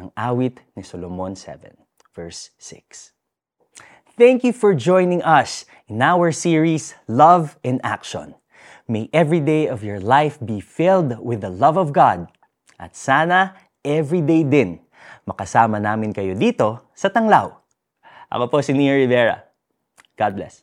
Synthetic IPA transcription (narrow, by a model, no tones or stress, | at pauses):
ɐŋaːwɪt̪nɪsolomonsɛ̰vɛ̰̃n | vɛɹsːɪ̰ks | θæ̃ŋkjufɔɹd͡ʒɔ̃jnɪ̃ŋʔɐs | ʔɪnawəɹsiɹislɐvɛ̃nd̪a̰kʃõ̰n | mejʔɛvɹid̪ejɔvjɔɹlajfbifɪld̪wɪðɐlɐvɔvɡad̪̚ | ʔɐ̰t̪̚saːnɐ | ʔɛvɹid̪ejd̪ɪn | mɐkɐsaːmɐnaːmɪnkɐjod̪iːt̪o̞ | sɐt̪ɐŋlaw | ʔɐ̰koposɪniɛɹɪvɛɹɐ̰ | ɡ̥ad̪̚blɛ̰s